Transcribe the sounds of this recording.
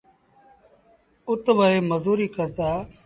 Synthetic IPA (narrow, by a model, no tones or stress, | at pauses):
ʊt̪ʋəeːməzuːɾiːkəɾt̪aː